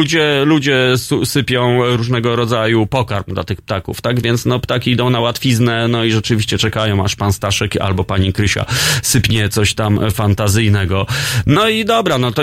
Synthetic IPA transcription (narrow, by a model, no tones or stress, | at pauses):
ud͡ʑɛlud͡ʑɛsusɘpʲjɔ̃w̃ɾuʐnɛɡɔɾɔd̪zajupɔkaɾmd̪la̰t̪ɘxp̚t̪akṵft̪aɡvʲjɛnt̪snɔpt̪akʲiid̪ɔ̃w̃nawat̪fʲiznɛnɔiʐɛt͡ʂɘvʲiɕt͡ɕɛt͡ʂɛkajɔ̃w̃aʂpanst̪aʂɛka̰lbɔpaɲikɾɘɕa̰sɘpʲɲɛt̪sɔɕt̪amfant̪azɘjnɛɡɔnɔid̪ɔbɾanɔt̪ɔ